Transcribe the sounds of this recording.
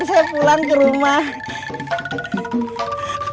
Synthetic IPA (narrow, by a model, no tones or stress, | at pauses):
nsajapulaŋkiɾumah